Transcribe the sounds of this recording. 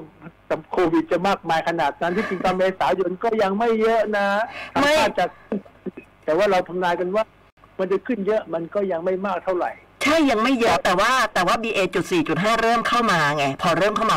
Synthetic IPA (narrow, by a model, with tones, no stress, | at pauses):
t̪a˧˩mkʰoː˧wi˨˩t̪̚t͡ɕa˨˩maː˥˩k̚maː˧jkʰa˧naː˨˩t̪̚na˦˥nt̪ʰiː˥˩pi˧ŋt̪a˧mːeː˧saː˩˦jo˧nkɔː˥˩ja˧ŋma˥˩jːɤ˦˥ʔna˦˥a˧ma˥˩j̚ːt͡ɕa˨˩kʰɯ˥˩nkʰnt̪ɛː˨˩waː˥˩ɾa˧wt̪ʰa˧mnaː˧jka˧nwaː˥˩ | ma˧nta˧˩jkʰɯ˥˩njɤ˦˥ʔma˧nkɔː˥˩ja˧ŋma˥˩jmaː˥˩k̚t̪ʰa˥˩wɾa̰˨˩j | t͡ɕʰa˥˩jːa˧ŋma˥˩jːɤ˦˥ʔt̪ɛː˨˩waː˥˩t̪ɛː˨˩waː˥˩biː˧ʔeː˧t͡ɕu˨˩t̪̚siː˨˩t͡ɕu˨˩t̪̚ɦaː˥˩ɾɤː˥˩mkʰa˥˩wmaː˧ŋɛ˧pʰɔː˧ɾɤː˥˩mkʰa˥˩wmaː˧